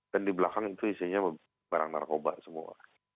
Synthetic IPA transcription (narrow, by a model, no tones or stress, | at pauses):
d̥andibəlakaŋit̪uisiɲa | baɾa̰ŋna̰rkoba̰ʔsəmṵa̰